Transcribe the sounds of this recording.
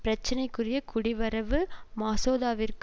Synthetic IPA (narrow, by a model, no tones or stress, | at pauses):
pɪɾɐt͡ʃːɐnɐɪkːʊrɪjɐkʰʊɽɪʋɐɾɐʋɯmaːsoːðaːʋɪrk